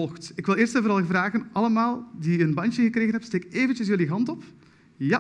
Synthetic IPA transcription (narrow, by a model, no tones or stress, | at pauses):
ɔlxtɪkʋɪlˠɪːrstɛvoɾɑlˠɣvraːɣənʔɑləmaːlˠdiənbɑntəɣəkreːɣənɦɛpsteːkeːvənt͡ʃəsjəliɦɑntɔp | ja